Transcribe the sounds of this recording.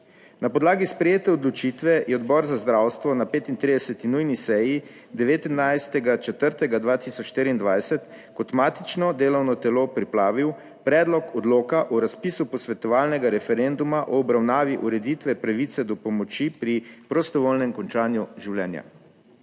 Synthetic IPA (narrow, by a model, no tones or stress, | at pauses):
napɔd̪laːɡispɾɛjeːt̪ɛɔd̪lɔt͡ʃit̪ʋɛjɛɔd̪bɔɾzazd̪ɾawst̪ʋɔnapeːt̪int̪ɾid̪ɛsɛt̪inujnisɛji | d̪ɛʋeːt̪inːajst̪ɛɡat͡ʃɛt̪əɾt̪ɛɡad̪ʋaːt̪isɔt͡ʃʃt̪eːɾiːnd̪ʋajsɛt̪ | kɔt̪maːt̪it͡ʃnɔd̪eːlɔwnɔt̪ɛlopɾipɾaːʋiw | pɾɛːd̪lɔkɔd̪loːkaʔɔɾaspisupɔsʋɛt̪ɔʋaːlnɛɡaɾɛfɛɾend̪umaʔɔːbɾawnaːʋiʔuɾɛd̪it̪ʋɛpɾaʋiːt̪sɛd̪ɔpɔmɔt͡ʃipɾipɾɔst̪ɔʋolnɛmkɔnt͡ʃaːnjuʒiwlɛ̰ːnja̰